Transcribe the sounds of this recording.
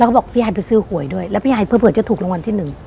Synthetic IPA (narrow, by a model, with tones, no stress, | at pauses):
la˧kʰɔ˥˩bɔː˨˩k̚pʰi˦˥haː˧jpe˧nsɯː˧˩hu˨˩˦əjdu˥˩əjlɛː˦˥wfi˦˥haː˧˩jpʰːpɯ˨˩tt͡ɕːt̪ʰuː˨˩k̚o˧ŋwa˧nt̪ʰiː˥˩nɯ˨˩ŋ